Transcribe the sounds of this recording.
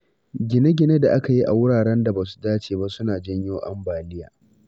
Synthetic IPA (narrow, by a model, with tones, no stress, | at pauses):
ɡʲɪ˨ne˦ɡʲɪ˨ne˦da˨ʔa˦ka˨ji˦ʔa̰˨wʊ˦ɽaː˨ɽɛ˦nda˨baː˨su̥˦daː˦t͡ʃeː˨ba˦sʊ˦naː˨d͡ʒɐ˦ɲjoː˦ʔa̰˦mbaː˨lɪ˦ja̰ː˨